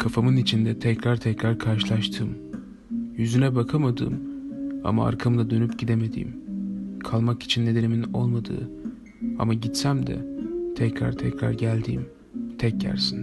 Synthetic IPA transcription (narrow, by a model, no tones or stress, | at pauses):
kʰafamɯnit͡ʃʰind̪ɛt̪ʰɛcɾaɾt̪ʰɛcɾaɾkʰaɾʃɯlˠaʃt̪ʰɯːm | jyzynɛbakʰamad̪ɯ̰ːma̰maa̰ɾkʰamd̪ˠad̪ø̞nypɟid̪eme̞d̪ḭːmkʰalˠmaki̥t͡ʃʰinːed̪e̞nimino̞̰lˠmad̪ɯ̰ː | a̰maɟit̪sæmd̪ɛ̰t̪ʰɛcɾa̰ɾt̪ʰɛcɾa̰ɾɟælʲd̪ḭːm | t̪ʰɛc̚ɟæ̰ɾsin